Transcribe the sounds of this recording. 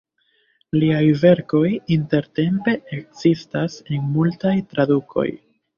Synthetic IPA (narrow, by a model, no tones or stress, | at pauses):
liajve̞ɾko̞jinte̞ɾte̞mpe̞ekz̥istasenmultajtɾadukʰo̞̰j